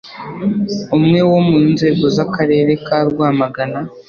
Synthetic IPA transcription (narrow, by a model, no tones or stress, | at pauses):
umŋe̞wo̞munze̞ːɡo̞zakaɾe̞ːɾe̞kaːɾɡwaːmaɡana